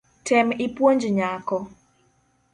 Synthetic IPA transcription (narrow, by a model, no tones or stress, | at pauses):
tʰɪmɪpwoɲd͡ʒɲakɔ